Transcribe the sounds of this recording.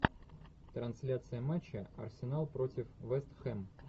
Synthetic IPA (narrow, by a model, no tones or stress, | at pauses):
t̪ɾɐnsʲlʲat̪sɨjəmat͡ɕːəɐ̰rsʲɪnalˠpɾo̞tʲɪfvɛst̪xɛm